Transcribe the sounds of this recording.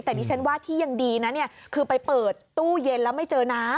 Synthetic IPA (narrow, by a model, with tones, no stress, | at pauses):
t̪ɛː˨˩diː˧˩t͡ɕʰa˦˥nwaː˥˩t̪ʰiː˥˩ja˨˧ŋdiː˧na˦˥ni˥˩ɐkʰɯː˧pa˧jpɤː˨˩t̪ːuː˥˩je˧nlɛː˦˥wma˥˩jt͡ɕɤː˧naː˦˥